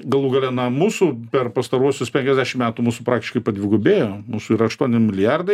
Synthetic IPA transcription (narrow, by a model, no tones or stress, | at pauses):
ɡɐlˠuːɡɐlʲɛnɐmuːsupʲɛrpɐst̪ɐɾuɔsʲʊspʲɛŋʲkʲɛzʲd̪ʲæʃʲɪmʲæːt̪umuːsʊpɾɑːkt̪ʲɪʃkɐɪpɐd̪ʲʋʲɪɡuːbʲeːjoːmuːsʊiːɾɐɐʃt̪uɔnʲɪmʲɪlʲɪjɑrd̪ɐɪ